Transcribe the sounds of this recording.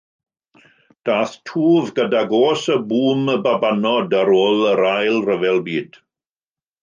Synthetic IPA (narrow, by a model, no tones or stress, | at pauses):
d̥aːθtʰuːvɡədaɡoːsəbuːməbabanɔdəɾoːlˠəɾajlˠrəvɛlˠbiːd̥